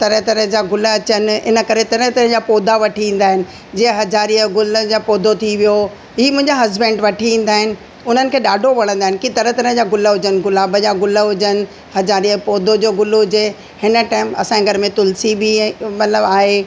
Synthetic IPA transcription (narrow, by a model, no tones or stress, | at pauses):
t̪ɐɾət̪ɐɾə̃ɦd͡ʑaːɡʊlə̆ɐt͡ɕənɪ̆ɪ̰nə̆kɐɾet̪ɐɾə̃t̪ɐɾəɦd͡ʑapoːd̪ʱaʋɐʈʰiĩːn̆d̪aːɦɪnɪ̆ | d͡ʑiːə̃ɦɐzaːɾiəɡʊləd͡ʑapoːd̪ʱot̪ʰiʋijo | ɦiːmʊ̃ɦɪ̃ɲd͡ʑaɦɐzbɛ̃ːɳɖʋɐʈʰiʋĩːn̆d̪aːɦɪnɪ̆ | ʊn̤ənɪ̆kʰeːɗaːɖʱoʋɐɽ̃ə̃nd̪aːɦɪnɪkit̪ɐɾət̪ɐɾə̃ɦd͡ʑaːɡʊləɦʊd͡ʑənɪ̆ɡʊlaːbʱəd͡ʑaɡʊləɦʊd͡ʑənɪ̆ | hɐzaːɾiəpoːd̪ʱod͡ʑoːɡʊlɦʊd͡ʑe | hɪnə̆ʈaːɪmɐsãeɡʱɐɾəmẽt̪ʊlsibimɐt̪ləbaːɦe